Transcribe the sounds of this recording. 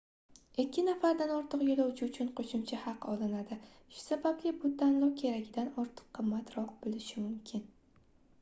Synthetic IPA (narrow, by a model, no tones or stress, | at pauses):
ekʲʰːɪnafaɾd̪anɒɾt̪ʰɨqjolawt͡ʃʰɪʊt͡ʃʰʊnqʰoʃʊmt͡ʃʰahɑqɒlˠɪnad̪ɪ | ʃʊ̥sabab̚lʲɪbʊt̪ʰanlˠɒkʲʰe̞ɾakʲɪd̪anɒɾt̪ʰɨ̥qʰːɨmːat̪ɾɒqbolɪʃɪmʊmkʲʰɪn